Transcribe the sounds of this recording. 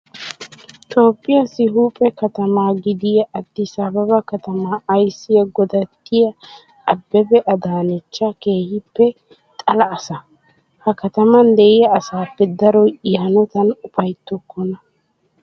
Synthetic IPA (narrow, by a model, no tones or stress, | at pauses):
t̪ʼo̞ːpʼːɪjɐsɪɦuːpʼɛkɐt̪ɐmaːɡɪd̪ɪjɐʔːt̪ːɪsɐbɐbɐkɐt̪ɐmaɐjsːɪjɐɡɔd̪ɐt̪ːɪjɐ | ɐbːɛbɛʔɐd̪aːnɛt͡ʃːɐke̞ːhɪpːɛ | t̪ʼɐlɐːsɐ | hɐkɐt̪ɐmɐnd̪ɛʔɪjɐːsaːpːɛd̪ɐɾɔɪɐnɔt̪ɐnʊpɐjt̪ːɔkːɔnɐ